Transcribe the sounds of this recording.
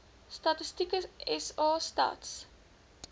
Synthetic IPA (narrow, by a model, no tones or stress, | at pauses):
stɐtəstikəɛsɑːstɐ̰ːts